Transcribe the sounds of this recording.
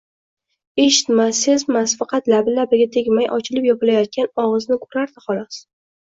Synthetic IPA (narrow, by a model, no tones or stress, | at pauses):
e̞ʃɪ̥t̪masːɪzmasfɑqʰɑt̪labɪlabɪɡʲat̪ʰeɡʲmajʔɒt͡ʃʰɪlɪpjɒpɪlajat̪̚kʲanɒʁɨznɪkʰo̥ɾaɾd̪ɪχɒlˠɒs